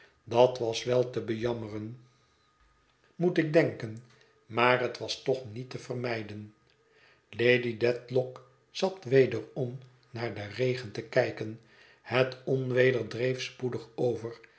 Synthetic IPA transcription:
dɑtʋɑsʋɛlˠtəbəjɑmərən | mutɪk̚dɛŋkən | maːɾɦətʋɑstɔχnitəvərmɛjdən | lejdidɛtlɔk | z̥ɑtʋejdərɔm | naːɹdərejχəntəkɛjkən | hətɔnʋejdəɹdrejfspudəχowvər

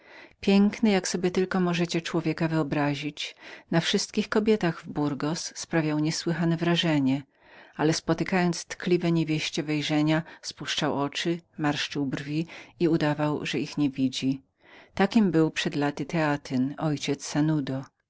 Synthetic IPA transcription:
pʲjɛŋknɘjaksɔbʲjɛt̪ɘlkɔmɔʐɛt͡ɕɛt͡ʂwɔvʲjɛkavɘɔbɾaʑit͡ɕnafʂɘst̪̚kʲixkɔbʲjɛt̪aɣvbuɾɡɔsːpɾavʲjawɲɛswɘxanɛvɾaʐɛɲɛ | alɛspɔt̪ɘkajɔnt̪st̪klʲivɛɲevʲjeɕt͡ɕɛvɛjʐɛɲaspuʂt͡ʂawɔt͡ʂɘmaɾʂt͡ʂɘwbɾvʲiiud̪avawʐɛixɲevʲid͡ʑi | t̪akʲimbɘwpʂɛd̪lat̪ɘt̪ʰɛat̪ʰɘnɔjt͡ɕɛt̪sːanud̪ɔ

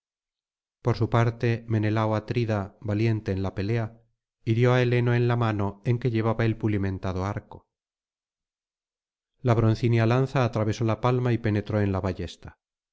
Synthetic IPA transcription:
po̞ɾsupaɾt̪e̞me̞ne̞lawat̪ɾiðabalje̞nt̪e̞ːnlape̞le̞a | iɾjo̞ae̞le̞no̞e̞nlamano̞e̞ŋke̞ʎe̞β̞aβae̞lpulimẽ̞nt̪aðo̞aɾko | laβɾon̟θinialan̟θaːt̪ɾaβe̞so̞lapalmaipe̞ne̞t̪ɾo̞e̞nlaβaʝe̞st̪ḁ

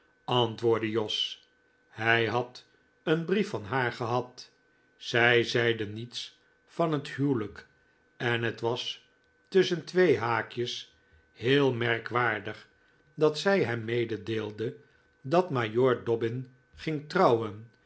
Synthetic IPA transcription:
ɑntʋʊːɹdəjɔs | hɛjɦɑt | ənbrifɑnɦaːɹχəɦɑt | sɛjzɛjdənits | fɑnɦətɦywlək | ɛnɦətʋɑs | tɵsəntʋejɦaːkjəs | hɪːlˠmɛɹkʋaːɹdəχ | dɑtsɛjɦɛmːejdədeːlˠdə | dɑtmajoːɹdɔbɪn | χɪŋtrɑwən

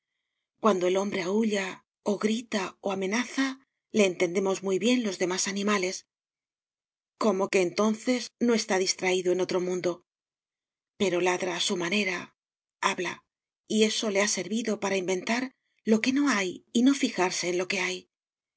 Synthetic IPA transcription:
kwand̪o̞e̞lo̞mbɾe̞auʎa | o̞ɣɾit̪aoame̞naθa | le̞ːnt̪e̞nd̪e̞mo̞zmujβje̞nlo̞zðe̞masanĩmale̞s | ko̞mo̞ke̞ːnt̪o̞nθe̞zno̞e̞st̪aðist̪ɾaiðo̞e̞no̞t̪ɾo̞mũnd̪o̞ | pe̞ɾo̞laðɾaːsumane̞ɾa | aβla | ie̞so̞le̞ase̞ɾβiðo̞paɾaimbe̞nt̪aɾ | lo̞ke̞no̞ajino̞fixaɾse̞ːnlo̞ke̞aj

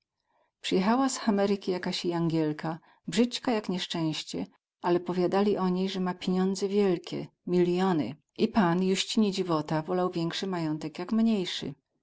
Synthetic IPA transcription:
pʂɨjɛxawasxamɛɾɘkʲijakaɕiaŋɡʲɛlkʰa | bʐɘt͡ɕkajakɲɛʂt͡ʂɛ̃w̃ɕt͡ɕɛ | ʔalɛpɔvʲjad̪alʲiʔɔɲejʐɛmapʲjeɲɔnd̪zɛvʲjɛlkʲɛ̰mʲilʲjɔnɘ̰ | ʔipanjuɕt͡ɕiɲɛd͡ʑivɔt̪avɔlawvʲjɛŋkʂɘmajɔnt̪ɛkjakmɲejʂɘ̰

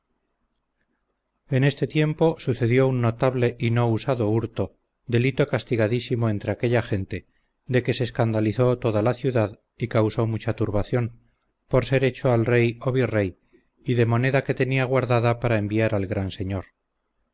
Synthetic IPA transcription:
e̞ne̞st̪e̞t̪je̞mpo̞suθe̞ðjo̞unːo̞t̪aβle̞ʔino̞usaðo̞uɾt̪o | d̪e̞lit̪okast̪iɣaðisimoent̪ɾeake̞ʎaxe̞nt̪e̞ | d̪e̞ke̞seːskand̪aliθo̞t̪o̞ðalaθjuðað | ikawso̞mut͡ʃat̪uɾβaθjo̞n | po̞ɾse̞ɾe̞t͡ʃo̞alre̞joβirej | iðe̞mo̞ne̞ðake̞t̪e̞niaɣ̞waɾðaðapaɾaembiaɾalɣɾanse̞ɲoɾ

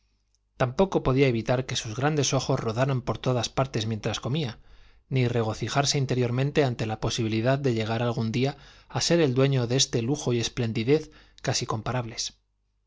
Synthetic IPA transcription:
t̪ampo̞ko̞po̞ð̞iae̞βit̪aɾke̞suzɣɾand̪e̞so̞xo̞zro̞ðaɾampo̞ɾt̪o̞ð̞aspaɾt̪e̞zmjent̪ɾasko̞mia | nire̞ɣo̞θixaɾse̞int̪e̞ɾjo̞ɾmẽnt̪e̞ant̪e̞lapo̞siβ̞iliðaðːe̞ʎe̞ɣ̞aɾalɣ̞und̪iaase̞ɾe̞ld̪we̞ɲo̞ðe̞est̪e̞luxo̞je̞sple̞nd̪iðe̞θ | kasiko̞mpaɾaβle̞s

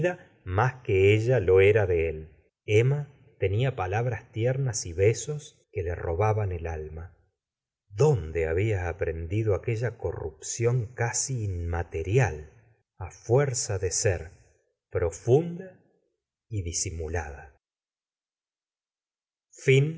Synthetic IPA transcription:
ða | maskeeʒalo̞eɾaðeel | ema | t̪e̞niapalaβɾast̪jeɾnasiβe̞so̞s | ke̞lero̞βaβanelalma | ðo̞nd̪eaβiaːpɾend̪iðoake̞ʒako̞̰rṵpsjo̞ŋkasiːnmat̪e̞ɾjal | afweɾsaðe̞seɾ | pɾo̞fund̪a | iðisimulaða | fin

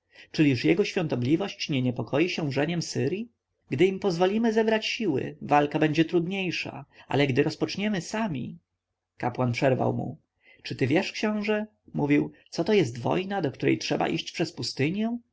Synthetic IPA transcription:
t͡ʂɘlʲiʂjɛɡɔɕfʲjɔ̃nt̪ɔblʲivɔɕt͡ɕɲɛɲɛpɔkʰɔjiɕɛ̃ʐɛɲɛmsɘɾʲji | ɡd̪ɘimpɔzvɔlʲimɘzɛbɾat͡ɕɕiwɘ̰valkabɛɲd͡ʑɛt̪ɾud̪ɲejʂa̰ʔa̰lɛɡd̪ɘɾɔspɔt͡ʂɲɛmɘsamʲḭ | kapwanpʂɛɾva̰wmṵ | t͡ʂɘt̪ɘvʲjɛʂkɕɔ̃w̃ʐɛ | muvʲiwt̪sɔt̪ɔjɛst̪vɔ̰jnad̪ɔkt̪uɾɛ̰jtʂɛba̰ʔḭɕt͡ɕpʂɛspust̪ɘɲjɛ

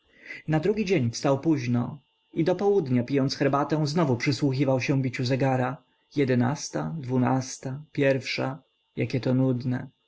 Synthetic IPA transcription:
nad̪ɾuɡʲid͡ʑeɲfst̪awpuʑnɔ | id̪ɔpɔwud̪ɲapʲijɔnt̪sxɛɾbat̪ɛ̃w̃znɔvupʂɘswuxʲivawɕɛ̃bʲit͡ɕuzɛɡaɾa | jɛd̪ɛna̰st̪ad̪vuna̰st̪apʲjɛɾfʂa | ja̰kʲɛt̪ɔnud̪nɛ

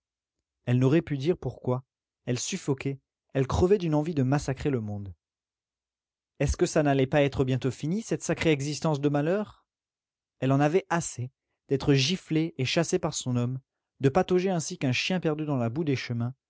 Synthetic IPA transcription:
ɛlnoʁɛpyd̪iʁpuʁkwa | ɛlsyfɔkʲɛ | ɛlkχəvɛd̪ynɑ̃vid̪əmasakχeləmɔ̃d̪ | ɛskəsanalɛpaɛt̪χəbjɛ̃t̪ofinisɛt̪sakχeɛɡzist̪ɑ̃sd̪əmalœːʁ | ɛlɑ̃navɛʔase | d̪ɛt̪χəʒifleeʃasepaʁsɔ̃nɔm | d̪əpat̪oʒeɛ̃sikɛ̃ʃjɛ̃pɛʁd̪yd̪ɑ̃labud̪eʃəmɛ̃

